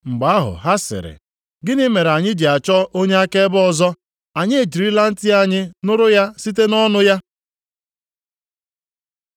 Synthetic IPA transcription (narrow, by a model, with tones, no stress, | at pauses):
ŋ͡m̩˨ɡ͡ba˨a˦ɦʊ̰˨ɦa˦sɪ̰˨ɾɪ̰˨ | ɡɪ˦nɪ˦me˨ɾa˨ɲɪ˦d͡ʒi˨a˨t͡ʃɔ˦ʔo˦ɲe˦a˦ke˦bɔ˨zɔ˦ | a˨ɲɪ˦e˨d͡ʒi˨ɾi˦la˦n̩˦tɪ˦a˦ɲɪ˦nʊ˦ɾʊ˦ja˦si˦t̬e˦nɔ˦nʊ˦ja˦